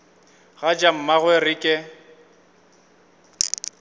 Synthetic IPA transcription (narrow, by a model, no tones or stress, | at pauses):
ɣad͡ʒam̩maɣwɛrɪkʼɪ